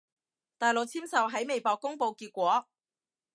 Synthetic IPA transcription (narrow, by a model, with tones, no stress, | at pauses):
t̪aː˨jlo˨k̚t͡sʰiː˥msɐ˨wɦɐ˨˥jme˨˧jpɔː˨˧kːʊ˥ŋpo˧wkiː˧t̚kʷɔː˨˥